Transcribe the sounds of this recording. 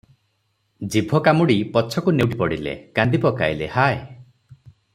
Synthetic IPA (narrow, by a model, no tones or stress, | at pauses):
d͡ʒibʱɔkamuɽipɔt͡ʃʰɔkunewʈipɔɽilḛkand̪ipɔka̰jlehaj